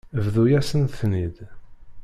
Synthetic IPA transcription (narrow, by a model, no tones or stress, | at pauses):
vðujæsənθnid̪